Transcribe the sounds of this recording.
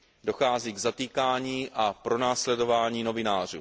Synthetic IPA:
do̞xaːziːɡzat̪iːkaːɲiːʔapɾo̞naːslɛdo̞vaːɲiːno̞vɪnaːr̝ṵː

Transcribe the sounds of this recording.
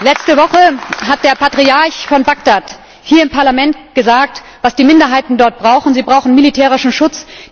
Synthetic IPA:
lɛt͡stəvɔχəɦat̚d̥eːɐpʰatʁ̥iaɐçfɔnbaɡ̚d̥at | hiːɐɪmpʰaɐlamɛntɡ̥əzaːk̚t | v̥asd̥iːmɪndɐɦaɪtn̩dɔɐt̚b̥ʁaʊxn̩ziːbʁaʊxn̩militʰɛːʁ̞ɪʃn̩ʃʊt͡s

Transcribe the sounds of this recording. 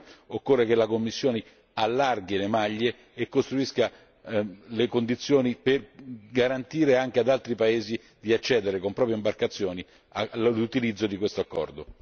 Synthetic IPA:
okːorːekelakomːisːjoːne | alːarɡilemaʎːe | ekːost̪ɾuiska | lekond̪it̪sːjoːniperɡaɾant̪iːɾeaŋk̟ead̪alt̪ɾipaeːzi | d̪iat͡ʃːɛːd̪eɾekompɾɔːpjimbarkat̪sːjoːni | alut̪ilid̪zːod̪ikwest̪oakːɔ̰rd̪o

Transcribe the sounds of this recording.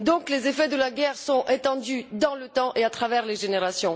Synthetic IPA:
d̪ɔ̃klezefɛd̪əlaɡʲɛʁsɔ̃ʔet̪ɑ̃d̪yd̪ɑ̃lət̪ɑ̃ʔeat̪χavɛʁleʒeneʁasjɔ̃

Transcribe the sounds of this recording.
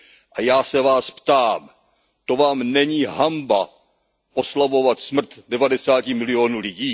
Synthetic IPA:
ʔajaːsɛvaːspt̪aːm | t̪o̞vaːmnɛɲiːɦamba | ʔo̞slavo̞vat̪smr̩t̪dɛvadɛsaːcɪmɪlɪoːnuːlɪɟiː

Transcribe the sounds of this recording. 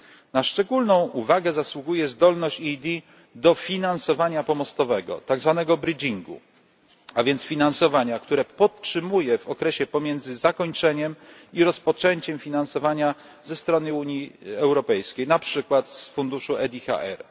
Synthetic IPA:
naʂt͡ʂɛɡulnɔ̃w̃uvaɡɛzaswuɡujɛzd̪ɔlnɔɕt͡ɕid̪ʲi | d̪ɔfʲinansɔvaɲapɔmɔst̪ɔvɛɡɔ̰t̪aɡzvanɛɡɔbɾɘd͡ʑiŋɡṵ | avʲjɛnt̪sfʲinansɔvaɲakt̪uɾɛpɔttʂɘmujɛvɔkɾɛɕɛpɔmʲjɛnd̪zɘzakɔɲt͡ʂɛɲɛmiɾɔspɔt͡ʂɛɲt͡ɕɛmfʲinansɔvaɲa | zɛst̪ɾɔnɘuɲjiɛwɾɔpɛjskʲejnapʂɘkwat̪sfund̪uʂuɛd̪ʲixa̰ʔɛ̰ɾ

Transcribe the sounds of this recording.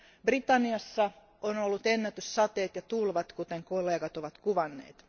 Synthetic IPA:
brit̪ɑnːiɑsːɑ | onolːut̪enːæt̪yssɑt̪eːt̪jɑt̪ulʋɑt̪kut̪eŋkolːˑeːɡɑt̪oʋɑt̪kuʋɑnːḛːt̪

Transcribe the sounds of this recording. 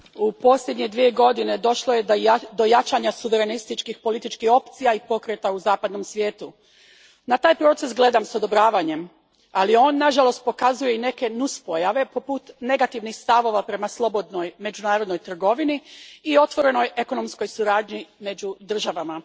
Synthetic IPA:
upo̞sʎʲed̪ɲe̞d̪ʋie̞ɡo̞d̪ine̞d̪o̞ʃlˠoje̞d̪o̞jat͡ʃaɲasuʋe̞ɾe̞nist̪it͡ʃkixpo̞lit̪it͡ʃkixo̞pt̪sijaipo̞kɾe̞t̪auzaːpad̪no̞msʋjeːt̪u | nat̪aːjpɾo̞ːt̪se̞sɡle̞d̪amsod̪o̞bɾaːʋaɲe̞m | alio̞ːnːaʒalo̞st̪̚po̞kazuje̞ine̞ke̞nuspojaʋe̞po̞put̪ne̞ɡat̪iʋnixst̪aʋo̞ʋapɾe̞maslˠo̞bo̞d̪no̞jme̞d͡ʑunaːɾo̞d̪no̞jt̪r̩ɡo̞ʋiniːo̞t̪ʋo̞ɾe̞no̞je̞ko̞no̞msko̞jsuɾaːd̪ɲime̞d͡ʑud̪r̩ʒaʋama

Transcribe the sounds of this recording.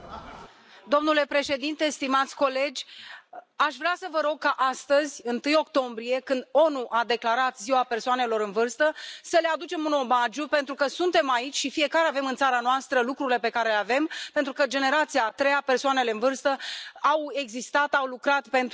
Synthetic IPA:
d̪o̞mnule̞pɾe̞ʃe̞d̪int̪e̞st̪imat̪sʲko̞le̞d͡ʒʲ | aʃvɾeasəvəɾo̞ɡ̚kaʔast̪əzʲɨnt̪ɨjo̞kt̪o̞mbɾie̞kɨnd̪o̞nuʔad̪e̞klaɾat̪ziwape̞rsoane̞lo̞ɾɨnvɨrst̪əsəlead̪ut͡ʃe̞muno̞mad͡ʒupent̪ɾukəsunt̪e̞mait͡ʃʲʃifije̞kaɾeave̞mɨnt̪saɾanoast̪ɾəlukɾuɾile̞pe̞kaɾe̞leave̞mpent̪ɾukəd͡ʒe̞ne̞ɾat̪siat̪ɾe̞jape̞rsoane̞le̞ɨnvɨrst̪əawe̞ɡzist̪at̪awlukɾat̪pe̞nt̪

